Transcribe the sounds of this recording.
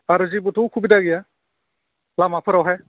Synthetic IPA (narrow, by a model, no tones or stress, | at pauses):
aɾɯzibutʰowkʰubidaɡija | lamapʰɯɾawɦaj